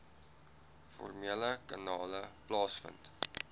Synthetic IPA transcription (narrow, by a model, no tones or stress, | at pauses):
fɔ̰rmiələkɑnɑːləplɑːsfə̰nt